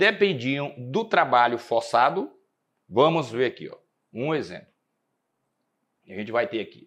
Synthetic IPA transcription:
d̪epẽd͡ʒiɐ̃w̃d̪ʊt̪ɾabaʎʊfoɾsad̪ʊ | vɐ̃mʊzveɾakḭɔ̰ | ũezḛ̃mplʊ | aʒẽt͡ʃɪvajt̪eaki̥̰

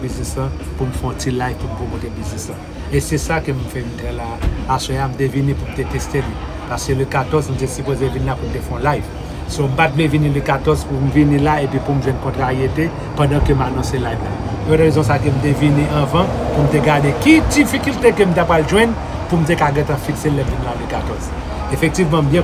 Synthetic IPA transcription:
biznisã | pumfɛɔ̃tilajvpumpomɔ̃t̪ebiznisɐ̃ | esɛsakøm̩fɛmitɛ̃laasɔ̃jam̩tevinĩpum̩tet̪esteli | paʁskøləkatɔzm̩tesipozevinlapum̩tefɛ̃ɔ̃lajv | som̩pat̚vlevinĩləkatɔzpum̩vinĩlaepɥĩpum̩ʒwɛ̃nkɔ̃tʁaʁijete | pɐ̃dãkømanɔ̃selajvla | ɔ̃tʁezɔ̃sakøm̩t̬evinĩʔɐ̃vɐ̃pum̩teɡaʁdekidifikyltekøm̩t̬apʁalʒwɛ̃n | pum̩t̬ekaɡɛ̃t̪ãfikselːɛm̩vinlaløkatɔz | efɛk̚t̪ivmãm̩bjɛ̃

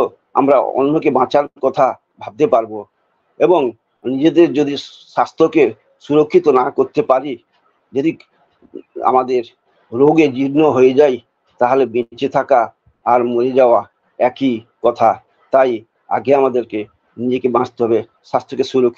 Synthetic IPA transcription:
o | a̰mɾao̰nːokebãt͡ɕaɾkɔt̪ʰa | bʱab̚t̪epaɾbo | eboŋ | nid͡ʑed̪eɾd͡ʑod̪ʱi | ʃast̪ʰoke | ʃuɾokʰːit̪onakoɾt̪epaɾi | d͡ʑod̪i | a̰mad̪eɾ | ɾoɡed͡ʑiɾnoɦojed͡ʑaj | t̪aɦolebĩt͡ɕet̪ʰakaː | ɾmoɾed͡ʑaoa | ɛkikɔt̪ʰa | t̪aj | a̰ɡeamad̪eɾke | nid͡ʑekebãst̪eɦɔbe | ʃast̪ɾokeʃuɾokʰːi

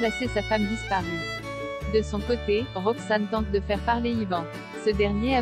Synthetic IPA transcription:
lasesafamd̪ispaʁy | d̪əsɔ̃kot̪eʁɔksant̪ɑ̃t̪̚d̪əfɛʁpaʁleivɑ̃ | səd̪ɛʁnjea

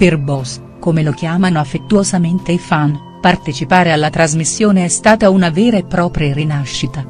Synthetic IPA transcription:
perbɔs | komelok̟jaːmanoafːet̪ːuozament̪eifan | part̪et͡ʃipaːɾealːat̪ɾazmisːjoːneɛst̪aːt̪aunavɛːɾaepːɾɔːpɾjarinaʃːit̪a

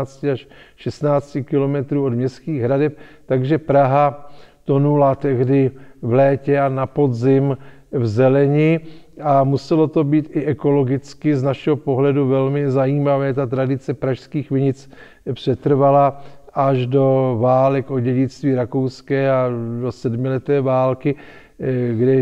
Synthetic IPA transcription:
t͡scɪaʃ | ʃɛst̪naːt͡scɪkɪlo̞mɛt̪ɾuːodmɲɛskiːɣɦɾadɛp̚t̪aɡʒɛpɾaɦat̪o̞nulat̪ɛɣdɪvlɛːcɛanapo̞dzɪm | vzɛlɛɲɪamusɛlo̞t̪o̞biːt̪ɪʔɛko̞lo̞ɡɪt͡skɪznaʃɛɦo̞po̞ɦlɛduvɛlmɪzajiːmavɛːt̪at̪ɾadɪt͡sɛpɾaʃskiːxvɪɲɪt͡s | pr̝̥ɛt̪r̩valaʔaʒdo̞vaːlɛko̞ɟɛɟɪt͡st̪viːɾakowskɛːado̞sɛdmɪlɛt̪ovɛːvaːlkɪ | ɡdɛ

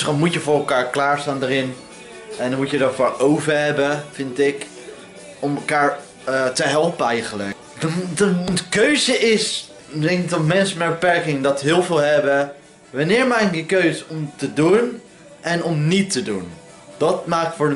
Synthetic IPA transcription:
sχɔmutjəvʊːɹɛlˠkaːɹklaːɹstaːndəɾɪn | ɛndmutjədɔtfoːɹowvəɹɦɛbəvɪntɪk | ɔmɛlˠkaːɹ | təɦɛlˠpənɛjχələ̰k | d | dkøɥzəʔɪs | dɛŋkɪktɔtmɛnsəmɛbəpɛɹkɪŋdɔtɦɪːlˠvɪːlˠɦɛbə | ʋɑnɪːɹmaːkɪkdəkøɥzəɔmtədun | ʔɛnɔmnitədun | d̥ɑtmaːk̚tfʊː

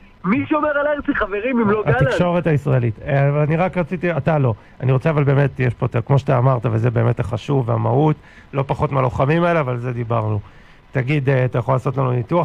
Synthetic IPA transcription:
miʃeomeʁaleʁt͡siχaveʁimimloatikʃoʁetaisʁaelitavalaniʁakʁat͡sitiatalo̞ | aniʁo̞t͡seavalbe̞ːmetjeʃpo̞t̪akmo̞ʃat̪aːmaʁtavalzebe̞me̞taχaʃuvamaut | lo̞paχo̞tmealo̞χamimaeleavalze̞d̪ibaʁnu | taɡid̪eatajaχo̞laːso̞tlanunitua

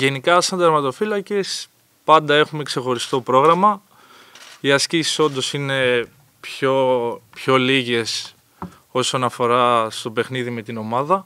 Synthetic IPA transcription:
ʝe̞nikɐsɐnd̪ɐɾmɐt̪o̞filɐce̞s | pɐnd̪ɐe̞xume̞kse̞xo̞ɾist̪o̞pɾo̞ɣɾɐmɐ | iɐscisi̥so̞nd̪o̞sine̞ | pçopço̞liʝe̞s | o̞so̞nɐfo̞ɾɐst̪o̞pe̞xniðime̞t̪ino̞mɐðɐ

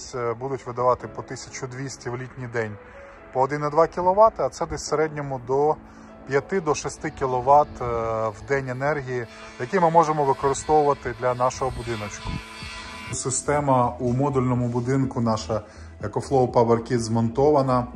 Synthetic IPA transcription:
sʲbud̪ʊtʲʋɪd̪ɐʋɑt̪ɪpɔt̪ɪsʲɐ̥t͡ʃʊd̪ʋʲisʲtʲiwlʲitʲnʲijd̪ɛnʲ | pɔːd̪ɪnɐd̪ʋɑkʲilˠɔʋɑt̪ɪɐt̪sɛd̪ɛsʲseɾɛdʲnʲɔmʊd̪ɔ | pʲjɐt̪ɪd̪ɔʃɪst̪ɪkʲilˠɔʋɑt̪wd̪ɛnʲenɛrɦʲiji | jɐkʲimɪmɔʒemɔʋɪkɔɾɪst̪ɔwʊʋɐt̪ɪd̪lʲɐnɑʃɔɦɔbʊd̪ɪnɔt͡ʃkʊ̥ | sɪst̪ɛmɐumɔd̪ʊlʲnɔmʊbʊd̪ɪnkʊnɑʃɐ | jɐkɔflˠɔpɐbɐrkʲid̪zmɔnt̪ɔʋɐnɐ

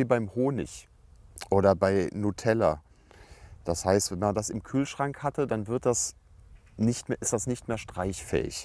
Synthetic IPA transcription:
iːbaɪmhoːnɪ̰ç | ʔoːɾɐbaɪnutʰɛlɐ̰ | d̥ashaɪstv̥ɛnmandasɪmkʰyːlʃʁ̥aŋkhatədanvɪɐt̚d̥as | nɪçtmeːɐʔɪstd̥asnɪçtmeːɐʃtʁ̥aɪçfɛ̰ːɪ̰ç

